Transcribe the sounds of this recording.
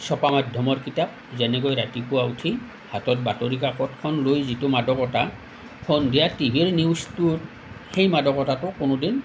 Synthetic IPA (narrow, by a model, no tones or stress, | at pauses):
sɔpamadʱjɔmɔɹkitap̚zɛnɛkojɹatipuwautʰi | hatɔt̚batoɹik̬akɔtkʰɔnlojzitʊmadɔkɔta | kʰɔndijatibʱiɹniwstuɹ | xejmadɔkɔtatʊkʊnʊdin